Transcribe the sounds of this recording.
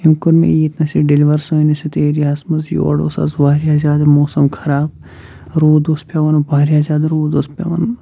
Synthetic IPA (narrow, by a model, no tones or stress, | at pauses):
imkuɾmḛiit̪nɐsiɖiliʋɐɾsoinisit̪eːɾiaːsmɐzjo̰ːɽo̰sɐ̰zbaːɾijaːzʲaːd̪moːsɐmkʰɐɾaːb̚ | ɾoːd̪ospʲaʋɐnubaːɾʲijaːzaːd̪ɾoːd̪ospʲa̰ʋɐn